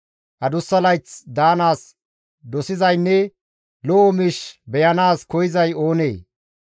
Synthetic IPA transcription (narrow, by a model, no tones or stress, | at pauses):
ʔɐd̪ʊsːɐlɐjt͡sd̪aːnaːs | d̪ɔsɪzɐjnːɛ | lɔʔɔmiːʃbɛjɐnaːskɔjɪzɐjo̞ːnḛː